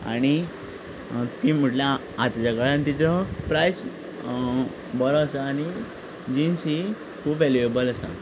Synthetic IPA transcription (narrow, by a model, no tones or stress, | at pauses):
a̰ɽ̃i | t̪im̤uʈlja | at̪d͡ʑakaɭãnt̪it͡sɔpɾajs | bəɾɔːsaːɽ̃i | d͡ʑinsi | kʰuːpʋɛljuebələsa̰